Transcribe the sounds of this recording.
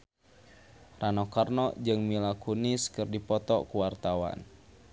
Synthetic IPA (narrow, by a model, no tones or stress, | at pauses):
ranɔkarnɔd͡ʒɨŋmilakuniskɨrdipɔt̪ɔkuwart̪awa̰n